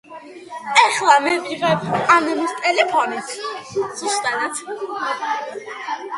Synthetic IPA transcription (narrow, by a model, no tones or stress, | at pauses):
ɛχlˠamɛviʁɛpʰanɛmist̪ʼɛlɛpʰɔnit̪ʰz̥ust̪ʼanat̪ʰ